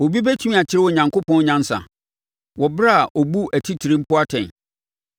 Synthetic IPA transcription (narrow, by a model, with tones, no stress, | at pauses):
o˨bi˦bɛ˦tʰi˦ĩ˦˨a˨t͡ɕʰɪ˦ɾɪ˦wɔ˦˨ɲã˨ŋko˦pʰɔ̃˦n˦ɲã˦n˦sa̰˨ | wɔ˨bɾa˦˨ʔɔ˨bu˦æ˨tʰi˦tʰi˨ɾĩ˦m̩˦pʰʊ˦a˦tʰɛ̰̃˨n